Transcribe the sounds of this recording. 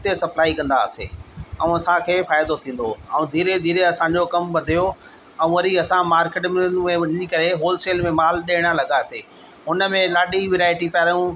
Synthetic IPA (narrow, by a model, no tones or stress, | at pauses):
ʊt̪esɐplaːikɐ̃nd̪a̰ə̰sḛːɐũɐsãkʰeːfaːɪd̪ot̪ʰĩːn̆d̪oɐũd̪ʱiːɾed̪ʱiːɾeɐsãːɲd͡ʑokɐmʋɐd̪ʱijo | ɛ̃ũʋɐɾiɐsãmaːɾkɪːʈmɪnmẽɗɪnikɐɾeɦoːlseːlmẽmaːlɗeːɪɽ̃alɐɡaseː | ɦʊnə̆mẽlaːɗiʋɪɾaːɪʈipaːɾjũ